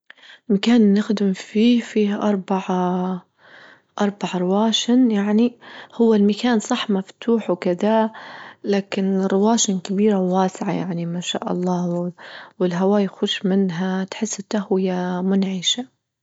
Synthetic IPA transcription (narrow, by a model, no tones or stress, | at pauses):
lmakaːnːɪxd̪ɪmfiːfiːhʔɑɾˤbaʕ | ʔɑɾˤbaʕɾˤɪwaːʃɪnjaʕnihʊwːalmakaːnsˤɑħmaft̪ʰuːħwkɪd̪a | laːkɪnrɪwaːʃɪnkabiːɾawːaːsɪʕaja̰ʕnimaʃa̰ːʔɑ̰lˤːɑːwwɪlɦawaːjxʊʃmɪnɦat̪ħɪsːɪt̪ːahwɪjamʊnʕɪʃa